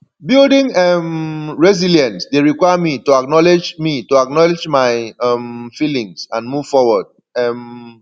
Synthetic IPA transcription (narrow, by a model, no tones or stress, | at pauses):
bildĩŋɛmɹɛziljãnsdeɹikwajamituaknɔled͡ʒmituak̚nɔled͡ʒmaɪɛmfilĩŋsãnmuv̥fɔwɔd̚ | ɛm